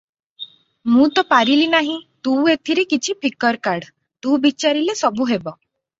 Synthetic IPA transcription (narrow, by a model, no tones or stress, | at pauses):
mũt̪ɔpaɾilinaɦĩt̪ũet̪ʰiɾekit͡ʃʰipʰikɔɾkaɾɖ | t̪ũbit͡ʃaɾilesɔbuɦebɔ